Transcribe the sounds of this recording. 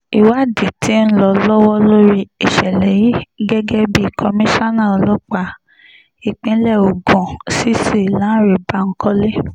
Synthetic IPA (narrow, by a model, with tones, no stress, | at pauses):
i˨wa˦˨di˨tʰi˨˦n̩˦lɔ˧lɔ˦wɔ˦lo˦ɾi˧i˨ʃɛ˨lɛ˨ji˦ɡɛ˦ɡɛ˦bi˦˧˨kʰɔ˧mĩ˦ʃa˦nã˦˨ɔ˧lɔ˦k͡pa˧˦ | i˨k͡pĩ˧˦lɛ˦˨o˨ɡɔ̃˨si˦si˦˨lã˨˦ɾe˨ba˦ŋ̩˦kɔ˦le˦